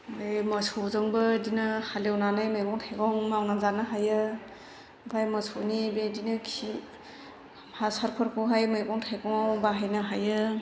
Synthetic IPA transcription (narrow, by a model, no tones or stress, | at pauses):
ajmasowzɯŋbɯdinɯhalewnanajmajɡɔŋtʰajkɔŋmawnazanɯɦajɯ | bʱajməsʰonibedinɯkʰi | hasaɾpʰɔɾkʰuɦajmajɡɔŋtʰajkɔŋbaɦajnɯɦajɯ